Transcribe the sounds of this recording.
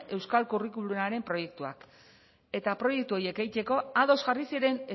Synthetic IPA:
ʔe̞wskalkurikulunaɾe̞mpɾo̞je̞k̚t̪ua̰k | e̞t̪apɾo̞je̞k̚t̪uo̞jekejt̪e̞ko̞aðo̞zɣarisiɾe̞ne

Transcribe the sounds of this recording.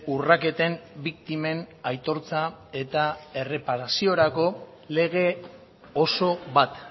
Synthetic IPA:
urake̞t̪e̞mbik̚t̪ime̞najt̪o̞ɾt͡sae̞t̪ae̞re̞paɾasio̞ɾako̞ | le̞ɣ̞e̞ | oso̞βat̪

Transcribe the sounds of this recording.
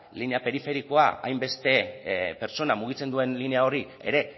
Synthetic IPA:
line̞ape̞ɾife̞ɾiko̞aa̰jmbe̞st̪e̞pe̞ɾt͡so̞namuɣ̞it͡se̞nd̪ue̞nline̞ao̞ɾi | e̞̰ɾe̞

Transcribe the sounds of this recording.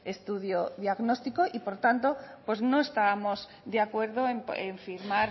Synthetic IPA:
e̞st̪uðjoðjaɣno̞st̪ikoʔipo̞ɾt̪ant̪o̞pwe̞zno̞e̞st̪aβamo̞z | d̪eakwe̞ɾðoemeɱfiɾmaɾ

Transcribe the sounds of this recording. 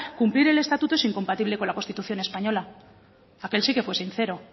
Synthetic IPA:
kumpliɾe̞le̞st̪at̪ut̪oesiŋko̞mpat̪iβle̞ko̞nlakost̪it̪uθjo̞ne̞spaɲo̞la | ake̞lsike̞fwe̞sinθe̞ɾo̞

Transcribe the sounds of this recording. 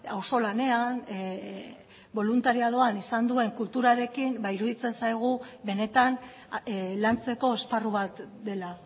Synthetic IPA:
awso̞lane̞an | bo̞lunt̪aɾiað̞o̞anisand̪ue̞ŋkult̪uɾaɾe̞kimbaiɾuðit͡se̞nsajɣ̞uβe̞ne̞t̪an | lant͡se̞ko̞e̞sparuβat̪d̪e̞la

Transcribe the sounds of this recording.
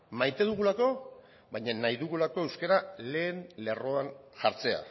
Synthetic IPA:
majt̪e̞ðuɣulako̞ | βaɲanajðuɣ̞ulako̞e̞wskeɾale̞ːnle̞ro̞anʝaɾt͡se̞a̰

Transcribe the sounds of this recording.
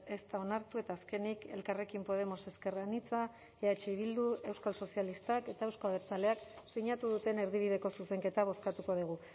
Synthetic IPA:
e̞st̪ao̞naɾt̪ue̞t̪aːske̞nike̞̰lkare̞kimpo̞ð̞e̞mo̞se̞ske̞ranit͡sa | eat͡ʃeiβild̪ue̞wskalso̞sialist̪ake̞t̪ae̞wskalβeɾt͡sale̞aksiɲat̪uð̞ut̪e̞ne̞ɾð̞iβ̞iðe̞ko̞suse̞ŋke̞t̪aβ̞o̞skat̪uko̞ðiɣ̞u

